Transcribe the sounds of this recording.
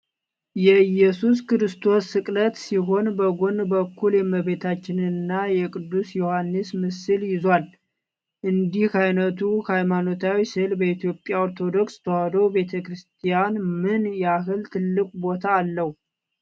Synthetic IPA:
jɛjɛsuskɨɾɨst̪ʰo̞sːɨkʼlət̪siɦo̞nbəɡo̞nbəkːuljɛməβe̞t̪ʰat͡ʃːɪnɨnːajɛkʼɨd̪ːusjo̞hanːɨsmɨsɨljɪzwal | ʔɨnd̪ihajnət̪ʰuhajmanot̪ʰawisɨlbəit̪ijo̞pʼːjaoɾt̪ʰo̞d̪o̞kst̪ʰəwad̪owbe̞t̪ʰəkɾɨst̪ʰijanmɨnjɛaɦɨlt̪ʰɨlːɨkʷʼbo̞t̪ʰaːlːəhu

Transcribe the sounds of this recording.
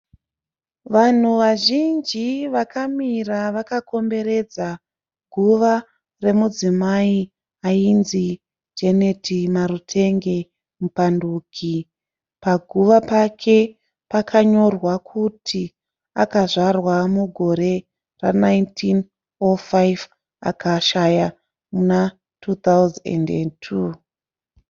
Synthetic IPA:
ʋan̤uʋaʒind͡ʒiʋakʰamiraʋakako̞mbe̞ɾe̞d͡za | ɡʱuʋa | re̞mud͡zimai | ainzi | d͡ʒene̞tʰimaɾutʰe̞ŋɡe̞ | mupanduːkʰi | paɡʱuʋapakʰe̞ | pakʰaɲo̞rwakʰutʰi | akaʐarwamuɡʱo̞ɾe̞ | ranaintʰin | ofajv | a̰kaʃaja | muna | tʰut̪awzḛndentʰu

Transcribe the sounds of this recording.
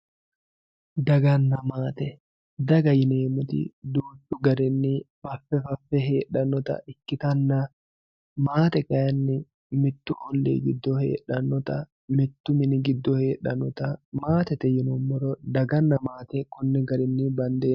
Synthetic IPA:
d̪ɐɡɐnːɐmaːt̪ɛ | d̪ɐɡɐjɪneːmʊt̪ɪ̰d̪uːᶑʊɡɐɾɪnːɪb̥ɐfːɛfɐfːɛɦe̞ːᶑɐnːɔt̪ɐ̰ɪkːɪt̪ɐnːɐ | maːt̪ɛkɐjɐnːɪ | mɪt̪ːʊʔɔlːḛːɡɪd̪ːɔhe̞̰ːᶑɐnːɔt̪ɐ | mɪt̪ːʊmɪnɪɡɪd̪ːɔhe̞ːᶑɐnɔt̪ɐmaːt̪ɛt̪ɛjɪnʊmːɔɾɔd̪ɐɡɐnːɐmaːt̪ɛkʊnːɛɡɐɾɪnːibɐnd̪e̞ː

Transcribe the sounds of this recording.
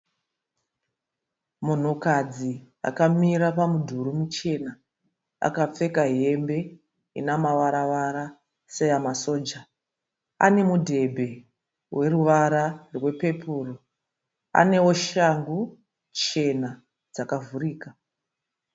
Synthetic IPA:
mun̤ukad͡zi | a̰kamiɾapamudʱuɾumut͡ʃe̞na | a̰kap͡fe̞kaɦe̞mbe̞ | ḭnamaʋaɾaʋaɾa | sejamaso̞ːd͡ʒa | a̰ne̞mudʱe̞bʱe̞ | we̞ruʋaɾarwe̞pe̞pʰuːro | a̰ne̞o̞ʃaŋɡu | t͡ʃe̞na | d͡zakavuriːka

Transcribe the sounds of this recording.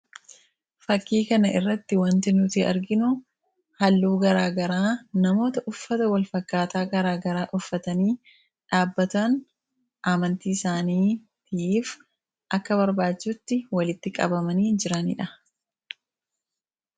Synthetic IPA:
fɐkːiːkɐnɐʔɪrːɐt̪ːɪwɐnt̪ɪnʊt̪iʔɐ̰ɾɡɪnʊ | hɐlːuːɡɐɾaːɡɐɾaːnɐmo̞ːt̪ɐʔʊfːɐt̪ɐwɐlfɐkːaːt̪aːɡɐɾaːɡɐɾaːʔʊfːɐt̪ɐniː | ᶑaːbːɐt̪ɐn | ʔaːmɐnt̪iːɪsaːniː | t̪iːf | ʔɐkːɐβɐɾbaːd͡ʒʊt̪ːɪwɐlɪt̪ːɪkʼɐ̰bɐmɐniːd͡ʒɪɾɐnɪ̰ᶑɐ

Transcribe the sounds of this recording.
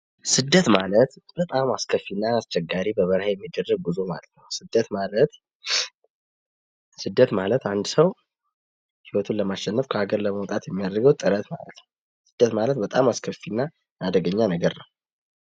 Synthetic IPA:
sɨd̪ːət̪malət̪b̥ət̪ʼamaskʰəfːinːaːst͡ʃɛɡːaɾibəβəɾhajɛmːid̪ːərːəɡ̚bɨzo̞ma̰lət̪nəwsɨd̪ːət̪malət̪ | sɨd̪ːət̪malət̪and̪səw | hiwɔt̪ʰunləmaʃɛnːəfkʰəaɡəɾləməwɔt̪ʼat̪jɛmːijad̪ɾɡəwt̪ʼɨɾət̪ma̰lət̪nəw | sɨ̥d̪̥ːət̪malət̪bət̪ʼamaskʰəfːinːa | ad̪əɡəɲːanəɡəɾnəw

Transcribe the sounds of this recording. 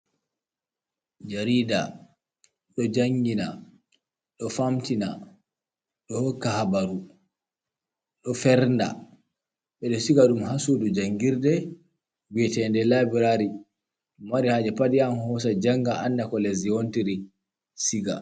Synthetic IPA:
d͡ʒaɾiːda | ɗɔd͡ʒaŋɡina | ɗɔfamtina | ɗɔhɔkːahabaɾu | ɗɔfɛɾnda̰ | ɓɛɗɔsiɡaɗumhasudɔd͡ʒaŋɡiɾdɛ | wiɛtɛndɛlabiɾaɾi | umwaɾihad͡ʒɛpadijamhɔs̬ad͡ʒaŋɡaʔanːakɔleziontiɾi | siɡa̰

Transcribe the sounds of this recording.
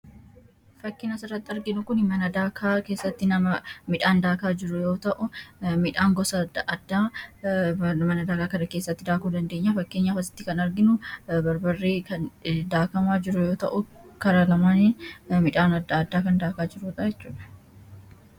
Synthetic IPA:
fɐkːɪnɐsɪrɐt̪ːɐɾɡɪnʊkʊnmɐnɐd̪aːkʰaːke̞ːsːɐt̪ːɪnɐmɐmɪᶑaːnd̪aːkaːd͡ʒɪɾʊjo̞ːt̪ɐʔʊmɪᶑaːŋɡɔsɐdʔɐd̪ːaː | mɐnɐd̪aːkaːkɐnɐke̞ːsːɐt̪ːɪd̪aːkuːd̪ɐnd̪eːɲːɐfɐkːeːɲːɐfɐsɪ̥t̪ːɪkɐnɐɾɡɪnʊbɐɾbɐrːeːkɐnd̪aːkɐmaːd͡ʒɪɾʊjo̞ːt̪ɐʔʊ | kɐɾaːlɐmaːnmɪᶑaːnɐd̪ːaːd̪ːaːkɐnd̪aːkaːd͡ʒɪɾuːᶑ̪ʼɐjɛt͡ʃt͡ʃːuːᶑɐ̥

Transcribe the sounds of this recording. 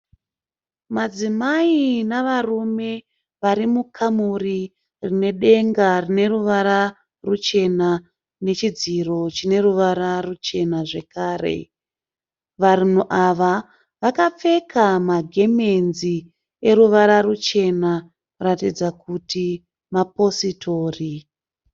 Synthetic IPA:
mad͡zimainaʋarume̞ | ʋaɾimukʰamuri | rine̞ɗe̞ŋɡarine̞ruʋaɾa | rut͡ʃe̞na | ne̞t͡ʃid͡ziro̞t͡ʃine̞ruʋaɾarut͡ʃe̞naʐe̞kaːre̞̰ | ʋarun̤uʔaʋa | ʋakap͡fe̞kamaɡʱe̞menzi | e̞ɾuʋaɾarut͡ʃe̞na | uratid͡zakuti | mapo̞sitʰo̞ːri

